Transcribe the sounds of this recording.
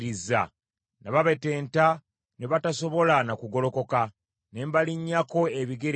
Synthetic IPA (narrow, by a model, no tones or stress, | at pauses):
ɾiza̰ | naβaβe̞te̞ːnta | neβataso̞βo̞lanakuɡo̞lo̞ko̞ka | ne̞ːmbaliɲːako̞eβiɡeɾ